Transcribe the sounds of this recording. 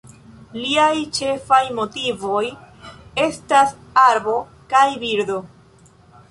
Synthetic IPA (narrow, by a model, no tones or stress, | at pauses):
liajt͡ʃe̞fajmo̞tivo̞j | e̞stas | aɾbo̞ | kajbiɾdo̞